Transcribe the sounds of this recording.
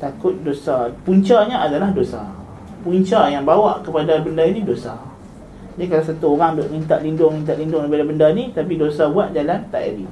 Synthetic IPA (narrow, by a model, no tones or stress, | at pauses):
t̪akʊt̪̚dosapuɲt͡ʃaɲaadalahdosa̰ | puɲt͡ʃajaŋbawaʔkəpadabəndainidosa | d͡ʒaikalasat̪uoɾaŋboʔmint̪aʔ̪̚lindʊŋmint̪aʔ̪lindʊŋkəpadabəndanit̪apidosabuaʔ̪̚d͡ʒalant̪a̰ʔa̰ɾḭ